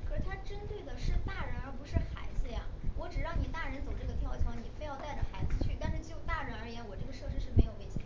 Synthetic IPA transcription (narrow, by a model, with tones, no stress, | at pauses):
kʰə˨˩ʂɻ̩˥˩t̪ʰa˥ʈ͡ʂə˥nt̪we˥˩ɪd̪ə˩ʂɻ̩˥˧t̪a˥˩ɻə˧˥nə˞˧˥pu˧˥ʂɻ̩˥˩xa̰˧˥ɪd͡zɹ̩˥˧ja̰˩wɔ˧˥ʈ͡ʂɻ̩˨˩ɻɑ˥˩ŋni˨˩t̪a˥˩ɻə˧˥nt͡so˨˩ʊʈ͡ʂɤ˥˩ɡə˩jɑ˥˩ʊt͡ɕʰwɑ˧˥ŋni˨˩fe˥˧ɪjɑ˥˧ʊt̪a˥˩ɪʈ͡ʂə˨˩xa˧˥ɪd͡zɹ̩˧t͡ɕʰy˥˩t̪̬a˥˧nʂɻ̩˥˧t͡ɕjo˥˩ʊt̪a˥˩ɻə˧˥nə˞˧˥jɛ˧˥nwɔ˨˩ʈ͡ʂɤ˥˩ɡə˩ʂɤ˥˧ʂɻ̩˥ʂɻ̩˥˩me˧˥ɪjo˨˩ʊe˥˩ɪt͡ɕʰj